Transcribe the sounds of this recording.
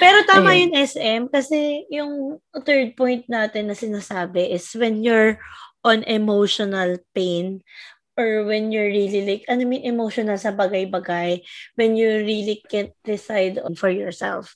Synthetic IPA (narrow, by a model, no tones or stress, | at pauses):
pɛːɾot̪aːmɐjʊŋʔɛsɛmkɐsɛjʊŋt̪ɛɹd̪̚pɔjnt̪̚naːt̪ɪnːɐsɪnasaːbɛʔɪswɛnjʊɹʔɔnʔɛmowʃɔnɐlpejn | ʔɔɹwɛnjʊɹːililɪkʔɐnomɪnɛmowʃonɐlsɐbɐɡajbɐɡajwɛnjʊɹiːlikɛnt̪̚d̪̥ɪsajd̪ɔŋfɔɹjɔɹsɛ̰lf